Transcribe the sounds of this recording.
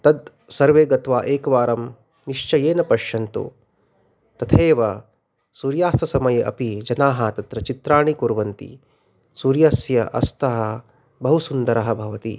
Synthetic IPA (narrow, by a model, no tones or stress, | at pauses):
t̪ɐd̪ | sɐɾʋeːɡɐt̪ʋaːʔeːkɐʋaːɾɐm | niʂt͡ʃɐjeːnɐpɐʃjɐnt̪ṵ | t̪ɐt̪ʰeːʋɐ | suːɾjaːsɐsɐmɐjɐʔɐ̰pid͡ʒɐnaːɦɐt̪ɐt̪ɾɐt͡ʃit̪ɾaːɳikuɾʋɐnt̪ḭ | suːɾjaːsjɐʔɐ̰st̪ɐɦɐ | bɐɦusund̪ɐɾɐɦɐbʱɐʋɐt̪i